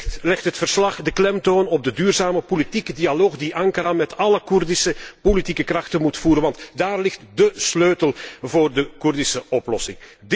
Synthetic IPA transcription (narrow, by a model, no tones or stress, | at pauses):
lɛxtɦətfərslɑχdəklɛmtoːnɔb̚dədyːrzaːməpolitikədialoːxdiʔɑŋkəɾamɛtɑləkurdɪsəpolitikəkrɑxtəmutfuːɾənʋɑntdaːrlɪxtdəsløːtəlˠvoːrdəkurdɪsəʔɔplɔsɪŋd